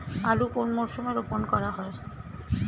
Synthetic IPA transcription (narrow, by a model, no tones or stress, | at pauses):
alukonmɔɾsumeɾoponkɔɾaɦɔe